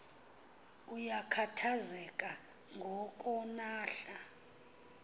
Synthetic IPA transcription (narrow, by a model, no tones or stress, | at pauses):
ujakʰatʰazɛkʼa | ŋɡʱɔkʼɔnaːɬa